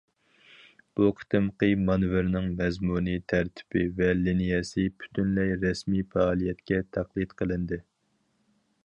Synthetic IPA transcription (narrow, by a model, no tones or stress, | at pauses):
b̥uqʰə̥t̪ɨmqʰɨmɑnvɪɾnɪŋmɛzmunit̪ʰæɾt̪ʰɪ̥bɪvɛlinijɛsɪpʰy̥t̪ʰynlɛjɾɛsmijfɛɑlˠijɛt̪kʲɛt̪ʰæqlˠit̪qʰəlˠɨnd̪ɨ